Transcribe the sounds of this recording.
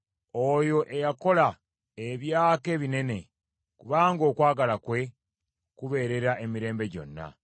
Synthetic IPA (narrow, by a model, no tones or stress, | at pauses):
ojo̞ʔe̞jako̞la | eβjaːke̞βine̞ne̞ | kuβaːŋɡo̞ːkwaːɡalakwe̞ | kuβe̞ːɾe̞ɾaʔe̞miɾe̞ːmbe̞ɟo̞̰nːa̰